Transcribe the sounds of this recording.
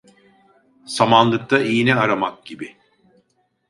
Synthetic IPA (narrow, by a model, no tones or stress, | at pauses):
samanlˠɯk̚t̪ʰaijinɛaɾamak̚ɟ̥ibi